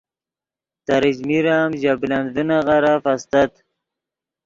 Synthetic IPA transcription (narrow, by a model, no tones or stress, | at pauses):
t̪aɾid͡ʒmiɾaːmʑabland̪unaɣaɾafast̪at̪